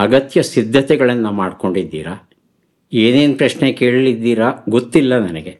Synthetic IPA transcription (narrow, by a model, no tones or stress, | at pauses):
ɐɡɐt̪jɐsid̪ʱːɐt̪ɛɡɐɭɐnːɐmaːɖko̞ɳɖid̪ːḭːɾɐ | eːneːnpɾɐʃneke̞ːɭlid̪ːiːɾɐɡot̪ːilːɐnɐnɛɡe̞